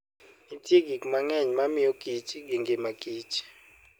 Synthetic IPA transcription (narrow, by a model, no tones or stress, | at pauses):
itʼik̬ik̬ʼumaŋɛɲɛmamijoɡ̥ʱʼit͡ʃʼiŋiŋɡɛmaɡ̥ʱi̥ːt͡ʃʼi̥